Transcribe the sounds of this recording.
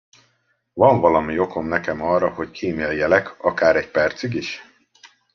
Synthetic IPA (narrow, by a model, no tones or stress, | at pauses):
vɒɱvɒlɒmio̞ko̞mnɛkɛmɒrːɒho̞ckʰiːmeɒjːɛlɛkɒkaːɾɛcpɛrt̪syɡiʃ